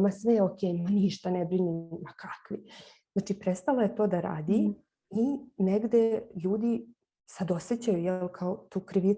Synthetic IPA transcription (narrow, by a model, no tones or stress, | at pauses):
masʋeokʲeːjmaniʃt̪anebɾinimːakʰakʋi | znaːt͡ʃipɾest̪aloje̞t̪o̞d̪aɾa̰ːd̪i | ineɡd̪e̞ʎuːd̪i | sad̪o̞set͡ɕajujelkʰaot̪uːkɾiʋi